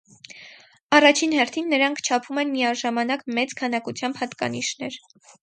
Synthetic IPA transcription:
ɑrɑt͡ʃʰinhɛɾt̪ʰinːəɾɑŋkʰt͡ʃʰɑpʰumɛnmijɑʒɑmɑnɑkmɛt͡skʰɑnɑkut͡sʰjɑmbhɑt̪kɑ̰niʃnɛɾ

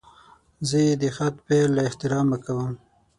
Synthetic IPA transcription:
zəjed̪əxat̪̚pelːaɪht̪ɪɾɑməkawəm

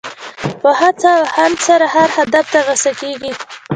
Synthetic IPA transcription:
pəhat͡sawhand̪saɾahaɾhad̪aft̪aɣəsakeɡi

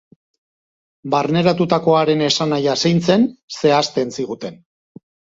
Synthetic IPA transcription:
baɾne̞ɾat̪ut̪ako̞aɾe̞ne̞sanajasajnt͡se̞nse̞ast̪ensiɣ̞ut̪e̞n

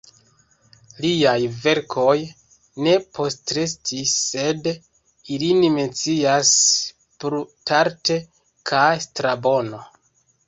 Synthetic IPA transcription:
liajve̞ɾkʰo̞j | ne̞pʰo̞stɾes̬tʰisːe̞d | ilinime̞nt͡sias | pɾutaɾte̞ | kʰastɾabo̞no̞

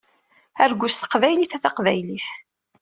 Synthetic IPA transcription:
æɾɡʷʊst̪ə̥qvæjliθæθɑqvæjliθ

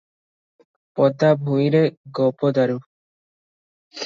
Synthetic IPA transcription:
pɔd̪abʱuiɾeɡɔpod̪aɾu

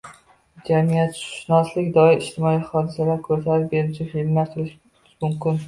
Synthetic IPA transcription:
d͡ʒamijat̪ʃʊ̥ʃnɒslɪkʲd̪ɒɪɾɪʃt̪ʰɪmɒiχɒd̪ɪsalaɾkʰɵɾzaɾɪp̚be̞ɾɪt͡ʃʰɪfilmlaɾt̪ʰʊlɪʃ | ʃmʊmkʲɪn

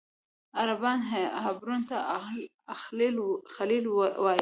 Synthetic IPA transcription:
aɾabɑnɦɦabɾunt̪a | llxalilwɑ

